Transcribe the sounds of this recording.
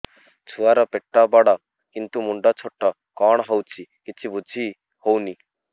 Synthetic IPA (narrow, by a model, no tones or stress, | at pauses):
t͡ʃʰuaɾɔpeʈːɔbɔɽɔ | kint̪umuɳɖɔt͡ʃʰoʈːɔ | kɔɽ̃ɦɔwt͡ʃʰikit͡ʃʰibud͡zʱʰi | howni